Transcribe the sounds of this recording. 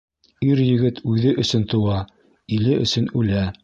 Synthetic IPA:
iɾjɘ̆ɡɘt̪ʉðɘʔɵ̆sɵnt̪ɤ̆wɑ | ilɘʔɵ̆sɵnʉlæ

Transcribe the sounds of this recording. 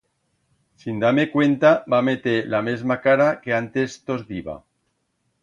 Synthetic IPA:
sind̪ame̞kwe̞nt̪abamet̪elame̞zmakaɾake̞ant̪e̞st̪ozðiβa̰

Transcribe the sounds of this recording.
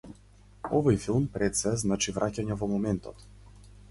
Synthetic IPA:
ɔvɔjfilˠmpɾɛt̪sɛznat͡ʃivɾʔacaɲɛvɔmɔmɛnt̪ɔ̰t̪

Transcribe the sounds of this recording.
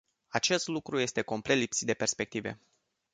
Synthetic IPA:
at͡ʃe̞st̪lukɾuje̞st̪e̞ko̞mple̞t̪lipsit̪d̪epe̞rspe̞k̚t̪ive̞̰

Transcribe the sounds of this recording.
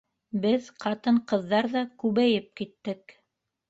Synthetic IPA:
bɘðqɑt̪ɤɴqɤ̆ðːɑɾðɑkʉβæjɘp̚kit̪ːɘk

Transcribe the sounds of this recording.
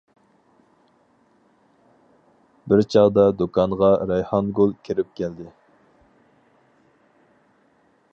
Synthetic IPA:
bɪɾt͡ʃʰɑʁd̪ɑd̪okʰɑnʁɑɾɑjhɑnɡolˠkʲʰiɾɪp̚kʲʰɛld̪ɪ

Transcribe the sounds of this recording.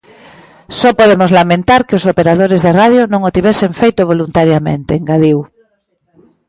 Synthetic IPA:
sɔpoðemozlamẽnt̪aɾkɪosopeɾað̞oɾezðeraðjonõŋot̪iβeseɱfejt̪ʊβ̞olunt̪aɾjamḛ̃nt̪eːŋɡaðiw

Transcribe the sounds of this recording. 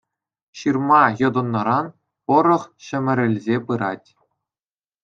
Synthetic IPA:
ɕɯrmɑjɤ̆d̪ɤ̆nːɤɾɑn | pɤ̆ɾɤ̆χɕɘ̆mʲɘ̆ɾʲɘ̆lʲzʲepɯɾɑtʲ

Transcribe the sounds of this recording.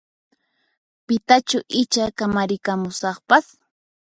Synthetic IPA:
pɪt̪at͡ʃʊʔɪt͡ʃakamaɾɪkamʊsɑχpas

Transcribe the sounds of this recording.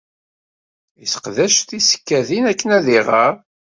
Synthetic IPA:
iθə̥qðæʃt̪isə̥kːæðinækːənæðiʁəɾ

